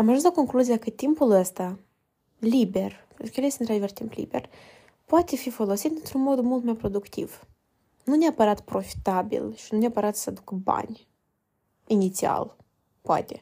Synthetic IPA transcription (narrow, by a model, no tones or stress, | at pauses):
amaʒɨnsakoŋklˠuzʲijakɨt̪ʲimpulˠəst̪a | lʲibʲerpɛnt̪ɾukjelʲesʲt̪ʲint̪ɾad̪ʲivɛrt̪ʲimplʲḭbʲer | pwat̪ʲefʲifolˠosʲit̪ʲɨnt̪ɾunmod̪mulˠt̪majpɾod̪ukt̪ʲḭv | nunʲapaɾat̪pɾofʲi̥t̪abʲḭlʲˠʃinunʲapaɾat̪sad̪ukba̰nʲ | inʲit̪sʲia̰lˠ | poa̰t̪ʲe